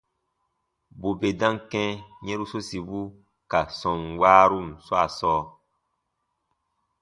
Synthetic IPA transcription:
bu˨be˨dã˦ŋkɛ̃˦ɲɛ̃˦ɾu˦so˦si˨bu˦ | ka˨sɔ̃˨nwaː˦ɾu˦˨mswa˦˨sɔː˦

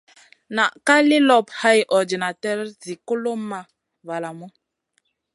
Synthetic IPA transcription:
na˨ʔka˦li˦lɔ˦˨p̚ha˦jʔɔ˨di˨na˨tɛ˦ɾzi˨ko˦lo˦ma˦ | va˨la˨mu˦

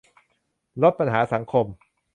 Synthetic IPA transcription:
lo˦˥t̪̚pa˧nɦaː˩˦˥sa˩˦ŋkʰo˧m

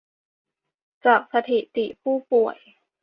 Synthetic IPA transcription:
t͡ɕaː˨˩k̚sa˧t̪ʰi˨˩t̪i˨˩pʰuː˥˩pu˨˩əj

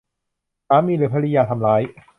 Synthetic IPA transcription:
saː˨˦˥miː˧˩ɾɯː˩˦pʰa˧li˧jaː˧t̪ʰa˧mlaː˦˥j

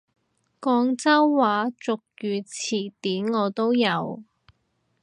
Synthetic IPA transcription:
kɔː˧ŋt͡sɐ˥wːaː˨˥t͡sʊ˨k̚jyː˨˧t͡sʰiː˨˩t̪iː˨˥nŋɔː˨˧t̪o˥wjɐ˨˧w

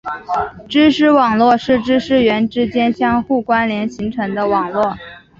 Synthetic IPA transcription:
ʈ͡ʂɻ̩˥ʂɻ̩˥wɑ˨˩ŋlwɔ˥˧ʂɻ̩˥˩ʈ͡ʂɻ̩˥ʂɻ̩˥˩ɥɛ˧˥nʈ͡ʂɻ̩˥t͡ɕjɛ˥nɕjɑ˥ŋxu˥˩kwa˥nljɛ˧˥nɕi˧˥ŋʈ͡ʂʰɤ˧˥ŋd̪ə˧wɑ˨˩ŋlwɔ˥˩

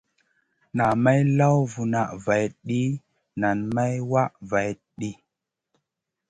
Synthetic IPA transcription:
na˨ma˦jla˦wvu˨na˨ʔva˨jɗi˦ | na˨nma˦jwa˦ʔva˨j | ɗi˦

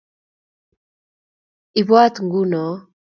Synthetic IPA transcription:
i˨βwa˦t̪ŋɡu˦nɔ˨

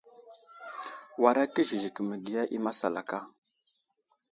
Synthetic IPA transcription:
wa˨ɾa˦kə˦ʒi˨ʒi˨kə˨mə˨ɡi˨ja˦ʔi˦ma˦sa˨la̰˨ka˦˨

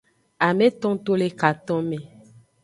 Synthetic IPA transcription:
a˨me˦t̪ɔ̃˦ŋt̪o˦le˦ka˨t̪ɔ̃˦me˨

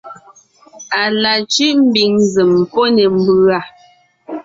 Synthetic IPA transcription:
a˨la˨t͡ʃi˦ʔm̩˦bi˨ŋzɨ˨m˨po˦nɛ˨m̩˦bʉ˦a˦˨

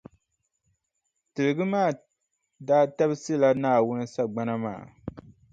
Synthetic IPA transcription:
tɨ˨lɨ˨ɡɨ˦maː˦˨ | daː˦ta˦bsɨ˦la˦naː˦˨wʊ˦nɨ˦sa˦ɡ͡ba˦na˦ma̰ː˨

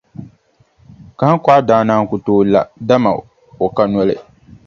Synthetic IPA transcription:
ka˨a˦ka˦ʔa˦daː˦naː˦ŋ˦˨ku˨toː˦˨la̰˨da˦ma̰˨ | o˨ka˦nɔ˦lɨ˨

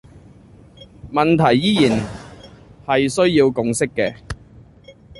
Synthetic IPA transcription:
mɐ˨nt̪ʰɐ˨˩jːiː˥jiː˨˩n | hɐ˨jsɵ˥ɥjiː˧wkʊ˨ŋsɪ˥kːɛː˧

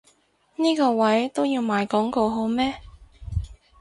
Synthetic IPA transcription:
niː˥kɔː˧wɐ˨˦˥jt̪o˥wjiː˧wmaː˨˧jkɔː˨˥ŋkoː˧ɦo˨˥wmɛː˥

